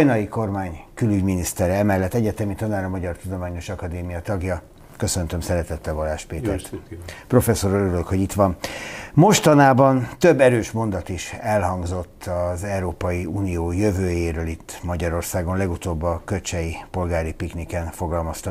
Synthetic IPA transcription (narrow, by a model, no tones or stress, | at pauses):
jnɒjiko̞rmaːɲkylyɟminist̪ɛɾɛɛmɛlːɛt̪ːɛɟɛt̪ɛmit̪ɒnaːɾɒmɒɟɒrt̪ud̪o̞maːɲo̞ʃɒkɒd̪eːmijɒt̪ɒɡjɒ | kø̞sønt̪ømsɛɾɛt̪ɛt̪ːɛlvɒlːaːʃpeːt̪ɛrt̪pro̞fɛsːo̞ɾøøɾyløkhoɟit̪ʋɒnmo̞ʃt̪ɒnaːbɒnt̪ø̞bːɛɾøːʃmo̞nd̪ɒt̪iʃɛlɦɒŋɡzo̞t̪ʰːɒzɛuɾoːpɒjiuːnijoːjøvøːjeːɾøːlit̪ːmɒɟɒɾo̞rsaːɡo̞nlɛɡut̪oːbːɒkøt͡ʃɛjipo̞lɡaːɾipiknikɛnfo̞ɡɒlmɒst̪ɒ